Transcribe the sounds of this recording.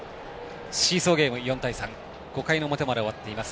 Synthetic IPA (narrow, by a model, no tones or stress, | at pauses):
ɕiːso̞ːɡʲe̞ːmɯ̟jõ̞nt̪aisãŋ | ɡ̥o̞kaino̞mo̞t̪e̞maɾeoβat̪ːe̞imasɨ̥